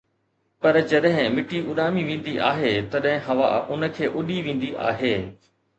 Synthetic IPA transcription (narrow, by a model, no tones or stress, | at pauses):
pɐɾd͡ʑɐɗɦɪ̃mɪʈiʔʊɗaːmiʋẽːn̆d̪iʔa̰ːɦet̪ɐɗɦɪ̃ɦɐʋa̰ʊnə̆kʰeːʔʊɗiʋẽːn̆d̪iʔa̰ːɦeː